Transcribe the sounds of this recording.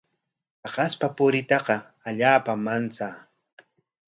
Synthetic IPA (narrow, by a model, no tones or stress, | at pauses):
ɑqɑspapʊɾɪt̪ɑqɑ | aʎaːpamant͡saː